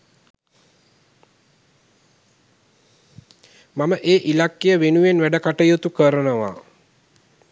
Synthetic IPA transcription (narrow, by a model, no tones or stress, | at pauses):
maməʔeːʔilakːijəʋenuʋenʋæɖəkaʈəjot̪ukəɾənəʋa̰